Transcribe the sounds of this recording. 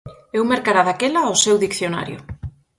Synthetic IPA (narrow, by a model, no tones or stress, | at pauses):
ewmeɾkaɾaðakelaosewðikθjona̰ɾjʊ̰